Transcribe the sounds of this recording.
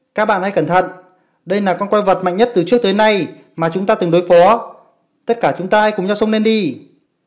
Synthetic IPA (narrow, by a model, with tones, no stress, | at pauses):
kaː˦˥k̚ɓa̰ː˧˨nha˧jkə˧˩nt̪ʰə̰˧˨n | ɗə˧jlaː˨˩kɔ˧nkwa˧jvə˨˩t̚ma̰˧˨ŋ̟ɲə˦˥t̚t̪ɨ˨˩t͡ɕɨ˦˥ək̚t̪əː˨˦jna˧j | maː˨˩t͡ɕʊ˨˦ŋ͡mt̪aː˧t̪ɨ˨˩ŋɗo˨˦jfɔ˨˦ | t̪ə˦˥t̚kaː˧˩t͡ɕʊ˨˦ŋ͡mt̪aː˧haː˧˥jkʊ˨˩ŋ͡mɲa˧wsə˧ŋ͡mne˧nɗi˧